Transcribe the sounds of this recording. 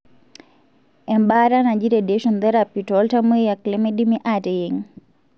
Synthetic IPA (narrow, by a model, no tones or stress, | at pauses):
ɛmbaɾanad͡ʒiɾɛdɛʃɔnd̪ɛɾapitɔltamejaklɛmɛɗimiʔatɛjiŋ